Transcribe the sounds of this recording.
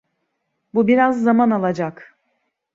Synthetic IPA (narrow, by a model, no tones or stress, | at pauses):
bubiɾazːamanalˠad͡ʒak